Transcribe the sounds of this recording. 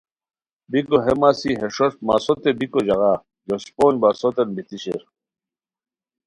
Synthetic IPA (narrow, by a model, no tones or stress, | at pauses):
bikoɦemasiɦeʂoʂt̪̚masot̪ebikod͡ʑɐɣa | josi̥poːnbasot̪enbit̪iɕeɾ